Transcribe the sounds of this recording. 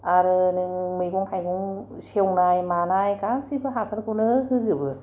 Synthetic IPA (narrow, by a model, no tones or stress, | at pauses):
aɾɯnɯŋmɯjɡuŋhʰajɡuŋsewŋnajmanajkasipʰɯɦasankunɯhɯzɯbɯ